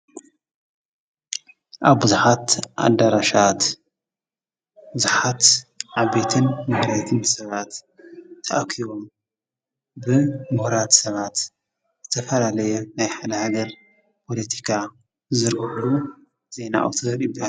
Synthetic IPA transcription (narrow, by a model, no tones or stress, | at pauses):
ʔaβbɨzuħat̪ʔa̰d̪aɾaʃat̪ | bɨzuħat̪ʕaβet̪ʰɨnmɨhɾajt̪ʰɨnsɐβat̪ʰː | ɐʔakʰiβom | bɨmuhɾat̪sɐβat̪ | zɨt̪ʰɐfɐlalɐjunajħad̪ɐhaɡ̪ɐɾ | pʰo̞lɐt̪ʰi̥kʰa | zɨɾɡlu | z̥e̞na̰ʔwt̪ʰɨɐɾiba